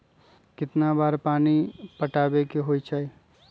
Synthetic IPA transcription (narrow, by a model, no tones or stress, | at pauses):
kɪt̪nabaːɾpaːnipɐʈaːbekeɦoːit͡ʃʰaːe